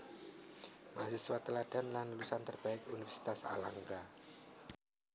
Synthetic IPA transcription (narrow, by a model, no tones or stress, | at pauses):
masɪswat̪əlaɖ̥a̤nlanulusant̪ərb̥aɪkunifərsi̥t̪asa̰laŋka